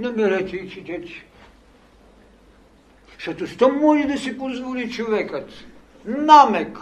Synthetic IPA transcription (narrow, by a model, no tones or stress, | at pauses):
nɐmɛɾɛt̪ɛit͡ʃit̪ɛt̪ | ʃɐt̪ost̪ɐmːɔʒid̪ɐsipozvɔlit͡ʃovɛkət̪ | namɛk